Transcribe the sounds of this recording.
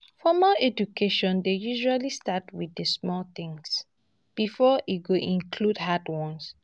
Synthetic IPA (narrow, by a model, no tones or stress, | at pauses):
fɔmaɛd͡ʒukʰeʃɔ̃ndejuʒualistatwidəsmɔlt̪ĩŋs | b̥ifɔʔiɡoʔĩnkʰludhadwɔ̃ns